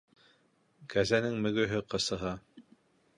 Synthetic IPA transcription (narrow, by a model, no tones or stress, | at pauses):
kæzænɘŋmɵ̆ɡɵ̆ɦɘqɤ̆sɤ̆ɦɑ